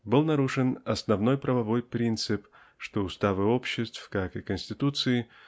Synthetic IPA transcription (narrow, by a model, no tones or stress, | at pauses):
bɨlˠnɐɾuʂɨnɐsnɐvno̞jpɾɐvɐvo̞jpɾʲint̪sɨp | ʂt̪oʊst̪avɨopɕːɪst̪fkakɨkənʲsʲtʲɪt̪ut̪sɨɪ